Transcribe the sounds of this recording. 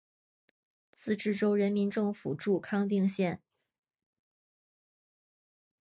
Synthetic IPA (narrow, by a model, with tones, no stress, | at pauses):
t͡sɹ̩˥˧ʈ͡ʂɻ̩˥˩ʈ͡ʂo˥ʊɻə˧˥nmi˧˥nʈ͡ʂɤ˥˩ŋfṵ˨˩ʈ͡ʂu˥˩kʰɑ˥ŋt̪̬i˥˧ŋɕjɛ˥˩n